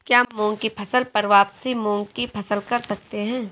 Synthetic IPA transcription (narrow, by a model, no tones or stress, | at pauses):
kjaːmɔ̃ːŋɡkipʰɐsəlpɐɾʋaːpsimɔ̃ːŋɡkipʰɐsəlkɐɾsɐk̚t̪eɦɛ̃ː